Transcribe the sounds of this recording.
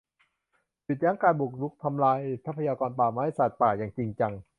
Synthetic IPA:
pi˨˩jaː˦˥ŋkaː˧nbu˨˩k̚lu˦˥k̚t̪ʰa˧mlaː˧jpsʰa˦˥pʰːa˧jaː˧kɔː˧npaː˨˩maː˦˧ha˥˩jsaː˨˩t̪̚paː˨˩jaː˨˩ŋt͡ɕi˧ŋt͡ɕa˧ŋ

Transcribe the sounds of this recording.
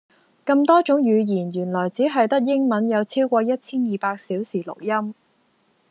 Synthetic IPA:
kɐ˧mt̪ɔː˥t͡ʃʊ˨˥ŋjyː˨˧jiː˨˩njyː˨˩nlɔː˨˩jt͡siː˨˥ɦɐ˨jt̪ɐ˥k̚jɪ˥ŋmɐ˨˥njɐ˨˧wt͡sʰiː˥wkʷɔː˧jɐ˥t̚t͡sʰiː˥njiː˨paː˧k̚siː˨˥wsiː˨˩lʊ̰˨˩k̚jɐ˥m

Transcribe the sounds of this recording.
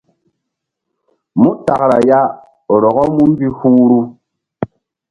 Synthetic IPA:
mu˦ta˨kɾa˨ja˦˨ | ɾɔ˨ɣɔ˦mu˦m˦bi˦hu˦ɾu˦

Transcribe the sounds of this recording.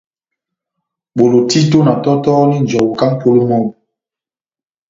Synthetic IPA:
ɓo˨lo˨ti˦to˦na˨tɔ˦tɔ˦ni˦n̩˨d͡ʒɔ˨wu˨ka˦ŋ˦po˦lo˦mɔ˦˨m˨

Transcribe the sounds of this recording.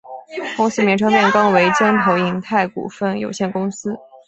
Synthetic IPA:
kʊ˥ŋs̩˥mjɛ˧˥ʈ͡ʂʰɤ˥ŋmjɛ˥˩nkɑ˥ŋwe˧˥ɪt͡ɕjɑ˥ŋt̪ʰo˧˥ʊi˧˥ŋt̪ʰa˥˩ɪkṵ˨˩fə˥˩njo̰˨˩ʊɕjɛ˥˩nkʊ˥ŋsɹ̩˥

